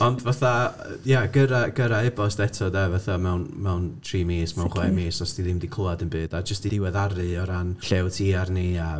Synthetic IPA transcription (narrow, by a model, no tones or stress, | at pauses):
ɔndvaθa | jaɡəɾaɡəɾaɛbɔsd̥ɛtʰɔdɛvaθamɛwnmɛwntʰriːmeːsmɛwnχwɛmeːsɔsd̥iðɪmdikʰɔadənbɨːdad͡ʒəstidɪwɛðaɾɨɔɾanɬɛwtʰiarnia